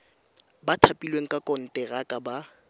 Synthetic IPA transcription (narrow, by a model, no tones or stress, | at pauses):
batʰapʼilweŋ̩kʼakʼɔn̩tʼɛɣakʼaba